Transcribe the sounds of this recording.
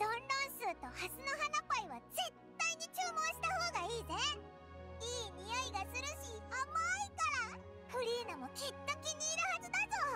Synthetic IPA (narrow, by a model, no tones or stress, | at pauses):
d̪̥õnɾõɰ̃sɨːt̪o̞hasɨno̞ɦanapoiβaze̞t̪ːaiɲ̟it͡ɕɨːmõ̞ɰ̃ɕi̥t̪aho̞ːɡaiːze | iːɲijoiɡasɨɾɯ̟ɕiamaikaɾa | ɸɯ̟ɾʲiːnamo̞kʲit̪ːokʲiɲ̟ʲiːɾɯhazɨd̪azoː